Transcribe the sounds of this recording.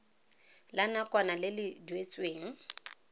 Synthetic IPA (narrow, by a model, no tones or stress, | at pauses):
lanakʼwanalɪlɪdwet͡sʼweːŋ̩